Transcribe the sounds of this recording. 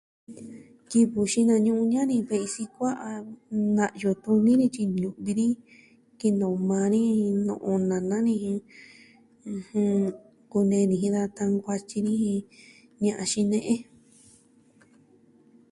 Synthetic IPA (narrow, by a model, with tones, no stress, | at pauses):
ki˧βu˨ʃi˧nã˧ɲũ˧ʔũ˧ɲã˦nĩ˧βe˧i˧si˧kʷa˦ʔa˧nã˧ʔjo˧˨t̪u˧nĩ˦ɾĩ˧t͡ʃi˧ɲũ˧ʔβi˧ɾĩ˦ | ki˧nõ˨˧mãː˧nĩ˦nõ̰˧ʔõ˧nã˨nã˦nĩ˧hĩ˧ | h | ku˧nẽ˧nĩ˧˨ĩ˧ða˧t̪a˧ŋɡʷa˧t͡ʃi˧ɾĩ˦hĩ˧ | ɲã˧ʔã˧ʃĩ˧nẽ˧ʔẽ˦